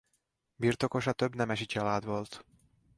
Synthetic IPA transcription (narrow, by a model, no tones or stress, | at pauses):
birt̪o̞ko̞ʃɒt̪øbnɛmɛʃit͡ʃɒlaːd̪ʋo̞lt̪